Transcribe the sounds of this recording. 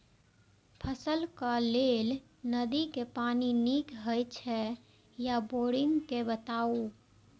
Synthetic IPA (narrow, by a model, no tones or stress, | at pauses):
pʰəsəlkaleːl | nəd̪ikepaːniniːkɦəjt͡ʃʰɛ | jaboːɽɪ̃ŋɡkebət̪aːu